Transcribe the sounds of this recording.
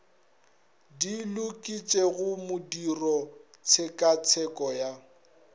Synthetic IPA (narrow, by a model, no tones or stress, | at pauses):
dilʊkʼit͡ʃʼeɣʊmʊdirɔ | t͡sʰekʼat͡sʰɛkʼɔja